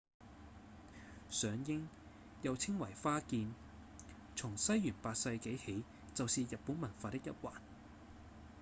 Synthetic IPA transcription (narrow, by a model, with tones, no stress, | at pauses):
sœː˨˧ŋjɪ˥ŋ | jɐ˨˧wt͡sʰɪ˥ŋwɐ˨˩jfaː˥kiː˧n | t͡sʰʊ˨˩ŋsɐ˥jːyː˨˩npaː˧t̚sɐ˧jke˨˥jhe˨˥j | t͡sɐ˨wsiː˨˧jɐ˨t̚pːuː˨˥nmɐ˨˩nfaː˧t̪ɪ˥k̚jɐ˥t̚waː˨˩n